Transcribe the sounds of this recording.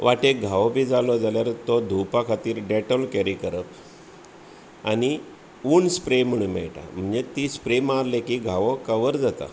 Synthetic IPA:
ʋʔaʈek̚ɡʱaʋɔbʱiːd͡zalɔd͡zaljaɾt̪ɔd̪ʱupakʰat̪iːɾɖeʈɔlkeɾikəɾəp | ani | uɳspɾemuɳmɛ̰ɭʈa̰m̤əɳd͡zet̪ispɾemaɾlekiɡʱaʋɔkəʋəɾd͡zat̪a̰

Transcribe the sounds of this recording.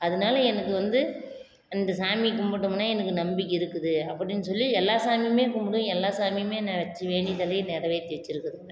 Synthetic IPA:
ɐðɯnaːlɐɛnɐkːɯʋɐnd̪ɯ | ɐnd̪ɐsaːmikːʊmbɐɽɯmnaːɛnɐkːɯnɐmbɪkːɪɾɯkːɯðɯɐpːɐɽɪnːɯsɔlːiɛlːaːsaːmimeːkʊmbɐɽɯ̃ɛlːaːsaːmimeːnãːʋɐt͡ʃːɯʋeːɳɖɪt̪ɐlɐnɛɾɐʋeːt̪ɛːt͡ʃːɪɾɯkːɯɐðɯŋɐ

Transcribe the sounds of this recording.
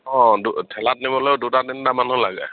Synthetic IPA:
ɔ̃dutʰɛlat̚nibɔlojʊdutadindamanulaɡɛ̰

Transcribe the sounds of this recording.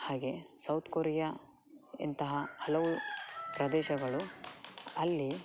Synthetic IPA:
haːɡe̞sɐwt̪ʰkoːɾɛja | ḭnt̪ɐɦɐhɐlɐʋupɾɐd̪ɛːʃɐɡɐɭu | ɐlːi

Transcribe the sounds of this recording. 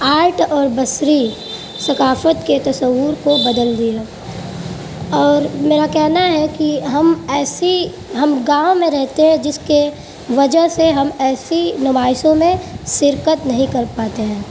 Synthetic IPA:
aːɾʈɔːɾbɐsɾi | sɐkaːfət̪ket̪ɐsəwʊɾkobɐd̪əld̪ie | ɔːɾmeːɾakɛɦnaɦɛkiɦɐmɛːsi | ɦɐmɡãːõmẽɾɛɦt̪eɦɛ̃d͡ʒɪske | ʋɐd͡ʒəɦseɦɐmɛːsinɪbaːɪsõmẽʃɪɾkət̪nɐɦĩkɐɾpaːt̪eɦɛ̃ː

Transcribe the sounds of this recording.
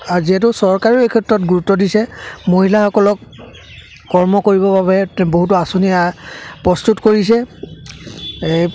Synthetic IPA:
aziɛt̬ʊsɔɹkaɹiekʰɛtɹɔtɡuɹutːɔdisɛmoɦilaxɔkɔlɔkː | ɔɹmɔkoɹibɔbaβɛboɦutʊasonijapɹɔstutkoɹisɛ

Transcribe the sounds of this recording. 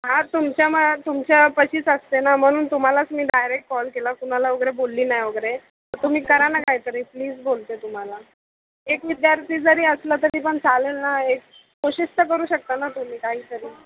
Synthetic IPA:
ɦãt̪umt͡ɕjamət̪umt͡ɕapəɕiːt͡səst̪enam̤əɽ̃uːnt̪um̤alat͡smiːɖajɾek̚ʈ̚kɔlkelakunalaʋəɡɾebolːiːnajʋəɡɾe | t̪əɾt̪um̤iːkəɾanakajt̪əɾiːpliːd͡zbolt̪et̪um̤ala | ekʋid̪jaɾt̪ʰiːd͡zəɾiːəslat̪əɾiːpəɳt͡salelnaek̚ː | oɕist̪əkəɾuːɕək̚t̪anat̪um̤iːkaɦiːt̪əɾiː

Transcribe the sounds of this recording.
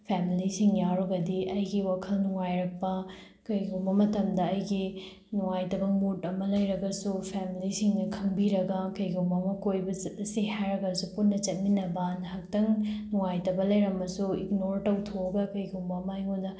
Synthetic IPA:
pʰemilisiŋjaɾoɡɐdiʔɐjɡiwakʰɐlnuŋajɾɐk̚pɐ | kɐjɡumbɐmɐtɐmdɐɐjɡi | nuŋajtɐbɐmutɐmɐlɐjɾɐɡɐsupʰemilisiŋnɐkʰɐŋbiɾɐɡɐkɐjɡumbɐmɐkojbɐsɐt̚ɐsihajɾɐɡɐsuputnɐt͡ʃɐt̚minɐbɐnhak̚tɐŋnuŋajtɐbɐlɐjɾɐmɐsuik̚noɾtɐwtʰoɐɡɐkɐjɡumbɐmajŋondɐ

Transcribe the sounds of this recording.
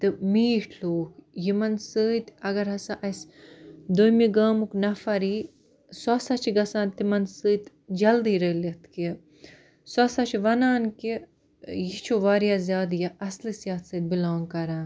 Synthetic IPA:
t̪ɨmiːʈʰloːkjimɐnsɨːt̪ɐɡɐɾɦɐsaʔɐsd̪ojmiɡɐːmuknɐfɐɾiː | sɐsɐt͡ʃʰiɡɐsaːnt̪imɐnsɨːt̪ | d͡ʒɐld̪iːɾəːlit̪ʰki | swɐsɐt͡ʃʰiʋɐnaːnki | jit͡ʃʰoʋaːɾjaːzjaːd̪jaʔɐslisjaːt̪sɨːt̪̚bilaːnkɐɾãːn

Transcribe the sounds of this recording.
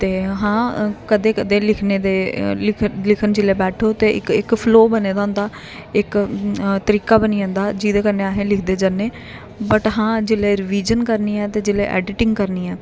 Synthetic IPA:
t̪eːɦãːkəd̪eːkəd̪eːlɪkʰneːd̪eː | lɪkʰənd͡ʒɪleːbɛːʈʰoːt̪eːʔɪ̰kɪkpʰloːbəneːd̪aːʊ̃nd̪aː | ɪkt̪əɾiːkaːbəniːãːnd̪aːd͡ʒiːd̪eːkəneːaːɦẽːlɪkʰd̪eːd͡ʒənːeː | bəʈɦãːd͡ʒɪleːɾɪʋiːd͡ʒənkəɾniːɛːt̪eːd͡ʒɪleːʔɛ̰ːɖɪʈɪŋɡkəɾniːɛː

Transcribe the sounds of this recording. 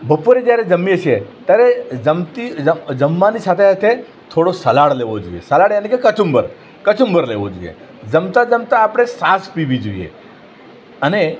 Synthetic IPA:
bʱəpuɾed͡ʒjaɾed͡ʒəmːiət͡ʃʰet̪jaɾed͡ʒəmt̪iəd͡ʒəmːanisat̪ʰeat̪ʰe | t̪ʰoɽosəlaɽleʋod͡ʒoijḛsəlaɽenekekət͡ʃumbə̰ɾ | kət͡ʃumbəɾleʋo̰d͡ʒo̰ijḛ | d͡ʒəmt̪ad͡ʒəmt̪aːpɽ̃esaspiʋid͡ʒoijḛ | əne

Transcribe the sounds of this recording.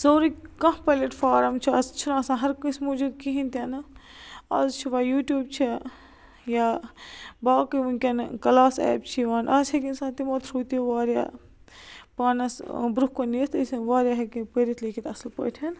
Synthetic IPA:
zoːɾikɐ̃ɦpɐlʲeʈfaːɾɐmt͡ʃʰiɐst͡ʃʰunaːsãːɦɐɾkɨsʲmud͡ʒud̪̚kiɦint̪ʲɐnɨ | ɐ̰zt͡ʃʰiʋaːjuːʈjuːbt͡ʃʰi | jaː | baːkɨʋunkʲɐnkɐlaːsɛ̰ːp̚t͡ʃʰiʋaːnʔɐshɐkinsãːt̪imot̪ʰɾuːt̪ioʋaːɾja̰ː | paːnɐsbɾuhkoniːɾt̪ɨsʋaːɾjaːɦɐkinpəɾit̪liːkʰit̪ɐslpə̰ːt̪ʰʲɐn

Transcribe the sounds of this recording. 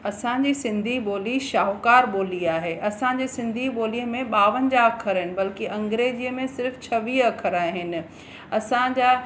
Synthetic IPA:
ɐsãd͡ʑisɪ̃nd̪ʱiɓoːliʃaːɦkaːɾɓoːliaːɦeːʔɐsãd͡ʑesɪ̃nd̪ʱiɓoːliə̃mẽɓaːʋənɪ̆d͡ʑaɐkʰəɾɦɪnɪ̆bɐlkiʔɐ̃ŋɡɾeːd͡ʑiːəmẽsɪɾft͡ɕʰɐʋiːɐkʰəɾaːɪ̃ɦɪnɪ̆ | ɐsãd͡ʑaː

